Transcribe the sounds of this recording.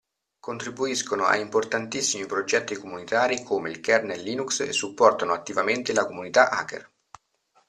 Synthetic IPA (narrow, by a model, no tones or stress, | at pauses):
kont̪ɾibuiskonoa̰import̪ant̪isːimipɾod͡ʒɛt̪ːikomunit̪aːɾikʰoːmeilkɛrnelːiːnuksḛsːupːɔrt̪anoat̪ːivament̪elakomunit̪aʔa̰kḛr